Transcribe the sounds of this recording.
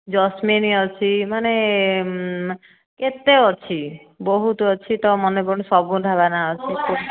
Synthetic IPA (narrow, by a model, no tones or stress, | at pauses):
d͡ʒɔsmeniɔt͡ʃʰimane | ket̪eɔt͡ʃʰi | bɔɦut̪ɔɔt͡ʃʰit̪ɔmɔnepɔɾnesɔbud̪ʱaβanaɔt͡ʃʰiku